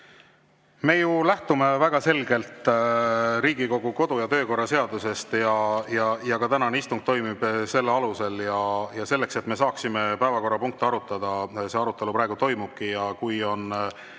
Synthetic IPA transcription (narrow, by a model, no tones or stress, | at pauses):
me̞ːjulæht̪ume̞væɡ̥ɑse̞lɡe̞lt̪ˑ | ɾiːɡ̥iko̞ɡ̥uko̞d̪̥ujɑt̪øːko̞rːɑse̞ɑd̪use̞st̪jɑjɑjɑkɑt̪ænɑneist̪uŋɡ̥̚t̪o̞jmib̥se̞lːeɑluse̞ljɑjɑse̞lːe̞kse̞t̪me̞sɑːksime̞pæevɑko̞rːɑpuŋk̚t̪iɑɾut̪ːˑɑd̪̥ɑse̞ɑɾut̪ːˑe̞lupɾɑe̞ɡut̪o̞jmub̥̚kijɑkujo̞n